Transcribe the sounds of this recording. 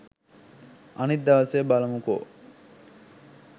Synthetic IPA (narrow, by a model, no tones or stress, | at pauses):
ɐnit̪̚d̪ɐʋɐseːbalɐmuko̰